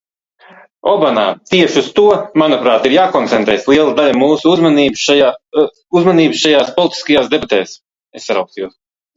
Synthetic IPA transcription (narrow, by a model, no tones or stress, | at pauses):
ɔbanaːt̪iɛʃust̪uɔmanupɾaːt̪iɾjaːkɔnt̪sɛnt̪ɾɛːslˠiɛlˠad̪alʲamuːsuuzmaniːb | uzmaniːbsʃajaːspɔlˠit̪i̥skajaːsd̪ebat̪ɛːs | essaɾawkst̪juɔs